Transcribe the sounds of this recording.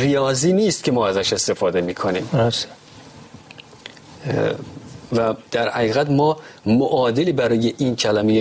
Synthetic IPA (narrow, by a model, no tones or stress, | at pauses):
rijɒːziːniːst̪̚cʲʰe̞mɒːæzæʃe̞st̪e̞fɒːd̪e̞miːkʰoniːmose̥ | væd̪̥æɾhæɣiːɣæt̪mɒːmoʔɒːd̪e̞liːbæɾɒːje̞ʔiːncʰælæmeje